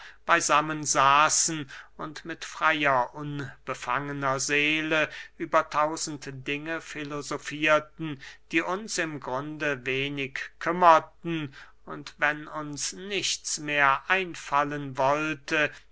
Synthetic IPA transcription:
b̥aɪzamənzaːsn̩ʊntmɪtfʁ̥ajɐʔʊnb̥əfaŋənɐzeːləʔyːbɐtʰaʊzn̩td̥ɪŋəfilozofiːɐtn̩d̥iːʔʊnsɪmɡʁʊndəveːnɪkkʰːʏmɐtn̩ | ʊntvɛnʊnsnɪçt͡smeːɐʔaɪnfalənvɔltə

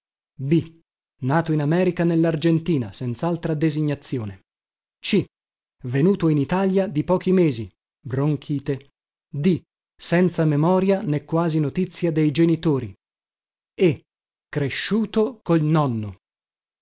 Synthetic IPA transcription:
bi | naːt̪oinamɛːɾikanelːard͡ʒent̪iːnasɛnt̪salt̪ɾad̪eziɲːat̪sːjoːne | t͡ʃi | venuːt̪oinit̪aljad̪ipɔːk̟imeːzi | bɾoŋkʰiːt̪e | d̪i | sɛnt̪samemɔːɾjanekːwaːzinot̪it̪sːjad̪ejd͡ʒenit̪oːɾḭ | e | kːɾeʃːuːt̪okolnɔnːo

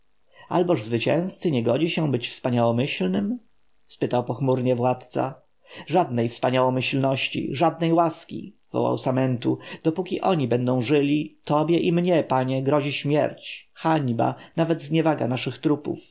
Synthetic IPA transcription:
a̰lbɔʐzvɘt͡ɕɛ̃w̃st̪sɘɲɛɡɔd͡ʑiɕɛbɘt͡ɕfspaɲawɔmɘɕlnɘm | spɘt̪awpɔxmuɾɲɛvwat̪t̪sa̰ | ʐad̪̚nɛjfspaɲawɔmɘɕlnɔɕt͡ɕḭʐad̪nɛjwaskʲḭ | v̥ɔ̰wa̰wsamɛnt̪ud̪̥ɔpukʲiʔɔɲibɛnd̪ɔ̃w̃ʐɘlʲit̪ɔbʲjɛʔimɲɛpaɲɛɡɾɔʑiɕmʲjɛ̰ɾt͡ɕxaɲba̰navɛd̪zɲɛvaɡa̰naʂɘxt̪ɾupṵf

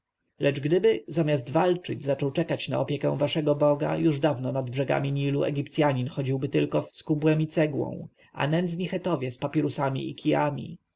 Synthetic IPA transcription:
lɛt͡ʂɡd̪ɘbɘzamʲjazd̪valt͡ʂɘd͡ʑzat͡ʂɔwt͡ʂɛkat͡ɕna̰ɔpʲjɛkɛ̰̃w̃vaʂɛɡɔbɔɡa̰juʐd̪avnɔnad̪bʐɛɡa̰mʲiɲiluɛ̰ɡʲipt̪sʲjaɲinxɔd͡ʑiwbɘt̪ɘlkɔfskubwɛmit̪sɛɡwɔ̰̃w̃ | ʔa̰nɛnd̪zɲixɛt̪ɔvʲjɛspapʲɛɾusamʲḭḭkʲʰija̰mʲḭ

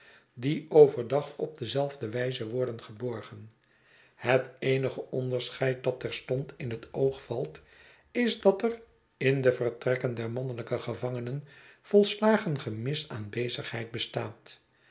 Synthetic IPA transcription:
diowvəɹdɑχɔ̰b̚dəzɛlˠvdəʋɛjzəʋɔɹdənχəbɔɹχən | hətejnəχəʔɔndəɹsχɛjt̚dɑtɛɹstɔntɪnɦətowχfɑlˠt | ɪzdɑtər | ɪndəvərtrɛkəndɛɹmɑnələkəχəvɑŋənənv̥ɔlˠslaːχənχəmɪsaːnbejzəχɦɛjt̚bəstaːt

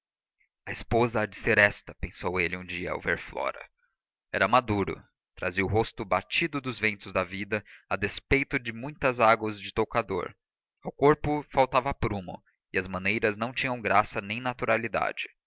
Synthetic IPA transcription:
ɐɪspozɐːd͡ʒɪseɾɛst̪ɐpẽsowelɪũd͡ʒiɐa̰wveɾflɔ̰ɾɐ̰ | ɛɾɐmad̪uɾʊ̰ | t̪ɾa̰ziɐʊɦost̪ʊbat͡ʃid̪ʊd̪ʊzvẽnt̪ʊzd̪ɐvid̪ɐad̪espejt̪ʊd͡ʒɪmũj̃t̪ɐzaɡwɐzd͡ʒɪt̪okad̪o̰ɾ | ɐwkoɾpʊfawt̪avɐpɾũmʊ̰ | ɪɐzmɐ̃nejɾɐznɐ̃w̃t͡ʃĩɲɐ̃w̃ɡɾasɐnẽj̃nat̪uɾalid̪a̰d͡ʒɪ

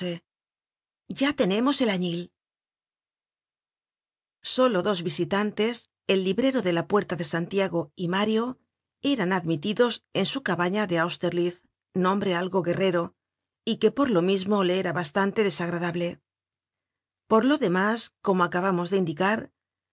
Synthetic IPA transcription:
e | ʝat̪e̞ne̞mo̞se̞laɲil | so̞lo̞ðo̞zβisit̪ant̪e̞s | e̞lːiβɾe̞ɾo̞ðe̞lapwe̞ɾt̪aðe̞sant̪jaɣo̞imaɾjo̞ | e̞ɾanaðmit̪iðo̞se̞nsukaβaɲaðe̞awst̪eɾlið | nõ̞mbɾe̞alɣo̞ɣe̞re̞ɾo̞ | ike̞po̞ɾlo̞mizmo̞le̞eɾaβast̪ant̪e̞ðe̞saɣɾaðaβle̞ | po̞ɾlo̞ðe̞masko̞mo̞akaβamo̞zðe̞ind̪ikaɾ

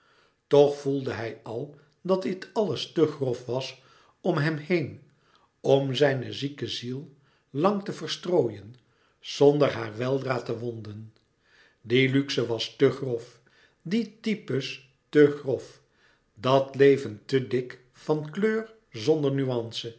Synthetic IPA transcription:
tɔχfulˠdəɦɛjɑlˠ | dɑtdɪtɑləstəχrɔfʋɑs | ɔmɦɛmhejn | ɔmzɛjnəzikəzilˠ | lɑŋtəvəɹstroːjən | z̥ɔndəɹɦaːɹʋɛlˠdraːtəʋɔndən | dilyksəʋɑstəχrɔf | ditipəs | təχrɔf | dɑtlejvəntədɪk | fɑnkløːr | zɔndəɹnyɑnsə

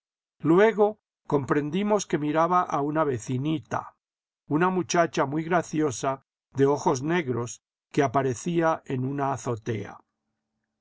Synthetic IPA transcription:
lwe̞ɣ̞o̞ | ko̞mpɾe̞nd̪imo̞ske̞miɾaβaʔaunaβe̞θinit̪a̰ | unamut͡ʃat͡ʃamwujɣɾaθjo̞sa | ðe̞o̞xo̞zne̞ɣɾo̞s | keapaɾe̞θiaenunaːθo̞t̪e̞̰a̰

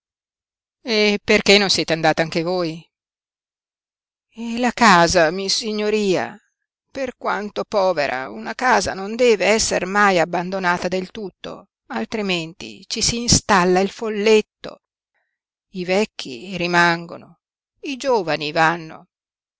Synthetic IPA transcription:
eperkenːonsjɛːt̪eand̪aːt̪aaŋkevoːj | ɛlakaːzamisiɲːoɾiːa̰ | perkwa̰nt̪opɔːveɾa̰unakaːza̰nond̪ɛːveɛsːermajabːand̪onaːt̪ad̪elt̪ut̪ːo̰ | alt̪ɾiment̪ḭt͡ʃisiːnst̪alːailfolːet̪ːo̰ | ivɛkʰːḭɾimaŋɡo̰no | id͡ʒoːvanivanːo̰

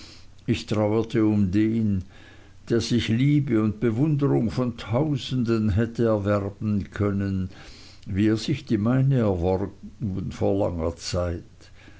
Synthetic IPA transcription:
ʔɪçtʁ̥aʊətʰəʊmdeːn | d̥eːɐz̥ɪçliːbəʊnt̚b̥əvʊndəʁʊŋfɔntʰaʊzn̩dənɦɛtəɛɐvɛʁbn̩kʰœnən | viːeːɐz̥ɪçd̥iːmaɪnəɛɐvɔʁɡn̩foːɐla̰ŋɐt͡saɪt

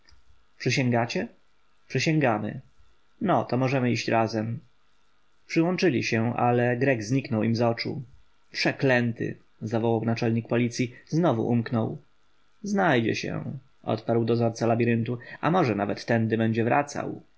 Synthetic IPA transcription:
pʂɘɕɛ̃ŋɡat͡ɕɛ | pʂɘɕɛ̃ŋɡamɘ̰ | nɔt̪ɔmɔʐɛmɘiɕt͡ɕɾʔazɛm | pʂɘwɔnt͡ʂɘlʲiɕɛʔa̰lɛɡɾɛɡzɲiknɔwimzɔt͡ʂṵ | pʂɛklɛnt̪ɘ̰ | zavɔwawnat͡ʂɛlɲik̚pɔlʲit̪sʲjiznɔvṵʔumknɔw | znajd͡ʑɛ̰ɕɛ̰ | ʔɔ̰t̪paɾwd̪ɔzɔɾt̪salabʲiɾɘnt̪ua̰mɔʐɛnavɛt̪ːɛnd̪ɘbɛɲd͡ʑɛvɾa̰t̪sa̰w

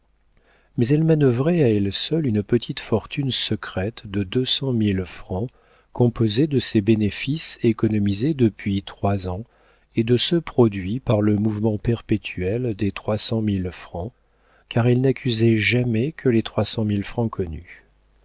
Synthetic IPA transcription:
mɛzɛlmanœvʁɛaɛlsœlynpət̪ʰit̪fɔʁt̪ʰynsəkχɛt̪d̪əd̪øsɑ̃milfχɑ̃ | kɔ̃pozed̪əsɛbenefisekɔnɔmized̪əpɥit̪χwazɑ̃ | ed̪əsəpχɔd̪ɥipaʁləmuvmɑ̃pɛʁpet̪ʰyɛld̪et̪χwasɑ̃milfχɑ̃ | kaʁɛlnakʲyzɛʒamɛkʰəlet̪χwasɑ̃milfχɑ̃kʰɔny̰

